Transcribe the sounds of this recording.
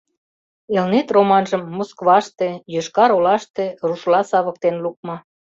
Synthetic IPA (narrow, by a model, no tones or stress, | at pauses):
elnet̪romɑnʒəmːoskβɑʃt̪ejøʃkɑɾolɑʃt̪ĕruʃlɑsɑβə̆k̚t̪enluk̚mɤ